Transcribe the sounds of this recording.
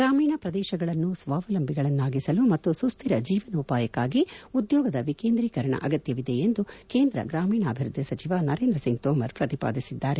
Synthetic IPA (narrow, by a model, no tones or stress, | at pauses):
ɡɾaːmiːɳɐpɾɐd̪ɛːʃɐɡɐɭɐnːusʋaːʋɐlɐmbʱiɡɐɭɐnːaːɡisɐlumɐt̪ːusust̪ʰiɾɐd͡ʒiːʋɐnɐupaːjɐkːaːɡiud̪jɔːɡɐd̪ɐʋikeːnd̪ɾiːkɐɾɐɳɐ̰ʔɐɡɐt̪jɐʋid̪e̞end̪uke̞ːnd̪ɾɐ̰ɡɾaːmiːɳɐːbʱiɾud̪ʱjisɐt͡ʃiʋanɐɾe̞ːnd̪ɾɐsiŋɡ̚t̪ɔːmɐɾpɾɐt̪ipa̰ːd̪isid̪ːaːɾe